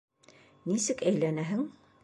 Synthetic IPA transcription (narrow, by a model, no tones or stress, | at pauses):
nisɘkæjlænæɦɘŋ